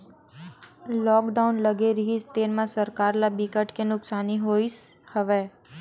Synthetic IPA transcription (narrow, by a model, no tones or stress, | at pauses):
lɔːkɖaunləɡeɾiɦist̪enmãsəɾkaɾlabikəʈkenʊksaniɦois | həʋe